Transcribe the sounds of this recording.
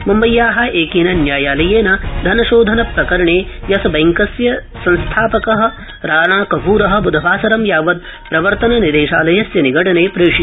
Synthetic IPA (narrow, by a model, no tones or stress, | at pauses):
mɐmbɐjːaːɦɐʔeːkiːnɐnjaːjaːlɐjeːnɐd̪ʱɐnɐʃoːd̪ʱɐnɐpɾɐkɐɾɐɳeːjɐsɐbɐjŋkɐsjɐ | sɐnst̪ʰaːpɐkɐɦɐ̆ | ɾaːɳaːkɐɦuːɾɐɦɐ̆bud̪ʱɐʋaːsɐɾɐmjaːʋɐd̪̚ | pɾɐʋɐɾt̪ɐnɐnid̪eːʃaːlɐjɐsjɐniɡɐʈɐneːpɾeːʂi